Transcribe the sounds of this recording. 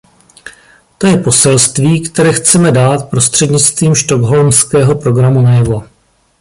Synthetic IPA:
t̪o̞jɛpo̞sɛlst̪viːkt̪ɛɾɛːxt͡sɛmɛdaːt̪̚pɾo̞st̪r̥ɛdɲɪt͡st̪viːmʃt̪oɡɦo̞lmskɛːɦo̞pɾo̞ɡɾamunajɛvo̞

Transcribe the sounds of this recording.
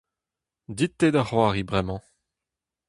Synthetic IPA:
d̪it̪ːed̪aχwaːʁibʁɛmɑ̃

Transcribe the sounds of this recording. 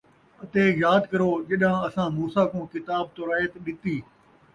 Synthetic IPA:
ɐt̪eːjaːd̪kɐɾoːd͡ʒɐɗãːɐsãːmuːsaːkõːkɪt̪aːb̚t̪oːɾaːet̪ɗɪt̪iː

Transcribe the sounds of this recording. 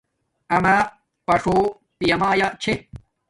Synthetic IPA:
ɐma | pɐʂo | pijɐmaːjat͡ɕʰe

